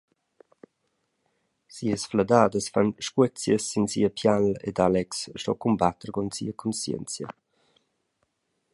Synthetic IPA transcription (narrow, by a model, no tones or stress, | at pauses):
siəsflad̪aːdəsfanʃkwət͡sjəsːinsḭəpʰjalḛdalɛksʃtɔ̰kumbat̪əɾɡɔnsḭəkʰɔnsjɛ̰nt͡sjə̰